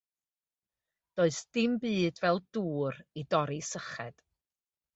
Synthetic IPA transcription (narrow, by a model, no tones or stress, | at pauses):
d̥oːɨsd̥ɪmbɨːdvɛlˠd̥uːɾidɔɾisəχɛ̰d̥